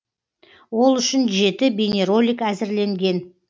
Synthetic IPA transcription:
wo̞lˠʏʃɪnʒe̞t̪ɪbʲenʲe̞ɾo̞lʲijkæzɪɾle̞ŋɡʲe̞n

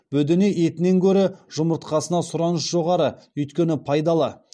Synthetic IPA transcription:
bɵd̪eneʔet̪ɪne̞ŋkʲʰɵɾɪʒ̥ʊməɾt̪qɑsənɑsʊɾɑnəsʒo̞ʁɑɾəɵjt̪kʲe̞nɪpʰɑjd̪ɑlˠə

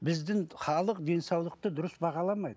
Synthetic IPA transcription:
bɪzd̪ɪŋχɑlˠəqd̪e̞nsɑwlˠəq̚t̪əd̪ʊɾəsbɑʁɑlˠɑmɑjd̪ə

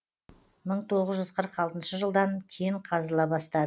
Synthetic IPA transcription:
məɴt̪ʰo̞ʁəzʒʏzqʰəɾəqɑlˠt̪ənʃəʒəlˠd̪ɑŋkʲʰejɪɴqʰɑzəlˠɑbɑst̪ɑd̪

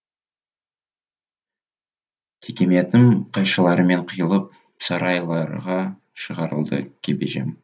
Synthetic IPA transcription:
t̪ʲʰekʲe̞me̞t̪ɪmqʰɑjʃəlˠɑɾəme̞ɴqʰəjəlˠəp̚ | sɑɾɑjlˠɑɾʁɑ | ʃəʁɑɾə̰lˠd̪ə̰kʲʰebeʒe̞̰m

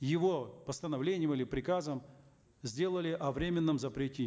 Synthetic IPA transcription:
jɪvo̞pəst̪ənɐvlʲenʲɪjəmilʲɪpɾʲɪkazəm | zʲdʲe̞lˠəlʲɪʔɐvɾʲemʲɪnːəmzəpɾʲɪtʲi

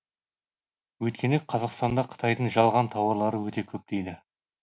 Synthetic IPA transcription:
wɵjt̪̚kʲe̞neqʰɑzɑqst̪ɑnd̪ɑqʰə̥t̪ʰɑjd̪əɴʒɑlˠʁɑnt̪ʰɑwəɾlˠɑɾəwɵt̪e̞kʲʰɵp̚t̪e̞jd̪ɪ

